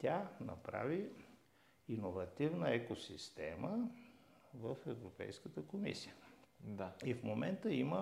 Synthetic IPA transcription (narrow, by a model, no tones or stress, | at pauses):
t̪ʲanɐ̰pɾa̰vi | inovɐt̪ivnəɛkosist̪ɛmə | vəfɛvɾopɛ̰jskət̪əkomḭsijəd̪aifmomɛnt̪əimə